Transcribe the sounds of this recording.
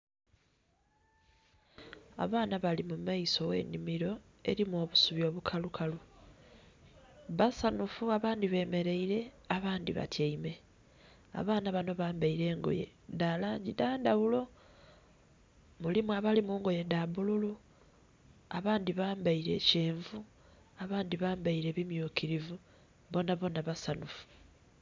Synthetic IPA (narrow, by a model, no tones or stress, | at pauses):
a̰βaːnaβalimumaiso̞we̞̰ːnimiɾo̞ | e̞̰ɾimwo̞ːβusuβjo̞ːβukʰalukʰalu | βasanufuaβaːndiβe̞ːme̞ɾe̞iɾe̞ | aβaːndiβa̰tjaime̞ | a̰βaːnaβano̞βaːmbaiɾe̞ːŋɡo̞̰je̞̰ | ndalaːɲɟidaːndaβulo̞ | mulimuaβalimuːŋɡo̞je̞ndaβululu | aβaːndiβaːmbaiɾe̞ce̞ːɱvu | aβaːndiβaːmbaiɾe̞βimjuːkiɾivu | βo̞naβo̞ːnaβasanufu̥